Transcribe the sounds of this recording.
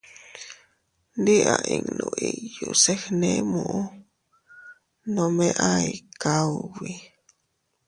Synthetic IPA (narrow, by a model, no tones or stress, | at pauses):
nd̪iʔaʔiŋnoʔijusehnẽmũʔo | nomẽʔaikawwi